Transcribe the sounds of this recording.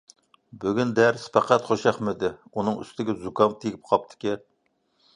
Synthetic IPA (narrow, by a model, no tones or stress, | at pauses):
byɡʲynd̪æɾspʰæqæt̪χoʃɑχmɪd̪ɪunɨŋy̰st̪ɪɡʲɛzukɑmt̪ʰekʲɪp̚qʰɑp̚t̪ʰɪ̥kʲi